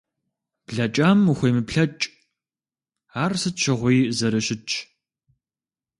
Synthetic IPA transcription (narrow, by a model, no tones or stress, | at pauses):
b̥ɮɐt͡ʃʼaːmuxʷejmɨpɬɐt͡ʃʼ | aːrsɨtt͡ʃʰɐʁʷiːzɐɾɐɕɪt͡ʃʰ